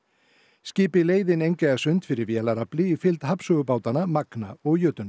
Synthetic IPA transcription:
sciːpɪleːjðɪnejɲcɛɣasʏnt̪fɪɾɪɾvjɛlaɾaplɪifɪlt̪ɦapsʏɣʏpaːwt̪anamaknaɔɣjʏːt̪ʏna

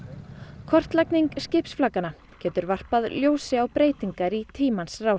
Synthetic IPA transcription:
kʰɔr̥t̪lajkniŋkscɪhpsflakana | cɛːt̪ʏɾvar̥paðljoːwsɪawpɾeːjt̪iŋkaɾit̪ʰiːmansraw

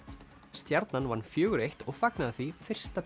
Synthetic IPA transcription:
st̪jaɾt̪nanvanːfjœːɣʏɾejht̪ɔɣfaknaðaθvifɪr̥st̪a

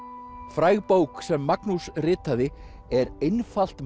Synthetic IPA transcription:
fɾajɣpowksɛmːaknusrɪːt̪aðɪ | ɛɾejnfal̥t̪

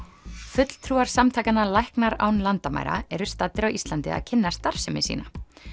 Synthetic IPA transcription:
fʏt̪l̥t̪ʰɾuːaɾ̥samt̪ʰajkanalajhknaɾa̰wnlant̪ama̰jɾa̰ɛɾʏ̥st̪aːt̪ːɪɾawist̪lant̪ɪa̰ðcʰɪnːast̪aɾ̥sɛmɪsḭːna

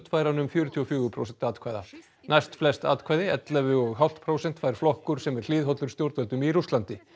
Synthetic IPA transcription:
t̪faːjɾanʏmfjœːɾʏt̪ʰiɔfjʏːɣʏpʰɾo̰wsɛn̥t̪aːðkʰvajða̰ | najst̪flɛst̪a̰ːt̪kʰvajðɪɛ̰t̪lavɪɣɔɣɦawl̥t̪pʰɾowsɛn̥t̪fajɾ̥flɔhkʏɾ̥sɛmɛɾ̥l̥ɪːðɦɔt̪lʏ̥st̪jowɾt̪vœlt̪ʏmiɾust̪lant̪ɪ

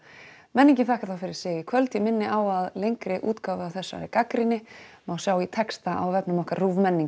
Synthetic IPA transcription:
mɛnːiɲcɪθahkaɾθawfɪɾɪɾ̥sɛːɣɪkʰvœlt̪imɪnːɪʔaːwaðlejŋkɾɪʔuːt̪kawvɪawθɛsːa̰ɾɪkakɾinːɪmawsjawit̪ʰɛkst̪aʔa̰wvɛpnʏmɔhkarruːvmɛnːiŋ

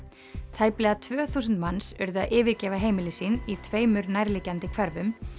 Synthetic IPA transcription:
t̪ʰaːjplɛːɣat̪ʰvœːθusʏnt̪mansœ̰ɾðʏaðʔɪːvɪɾcɛːvaɦeːjmɪlɪsiːnit̪ʰveːjmʏɾnajɾliːcant̪ɪkʰv̥ɛɾvʏm

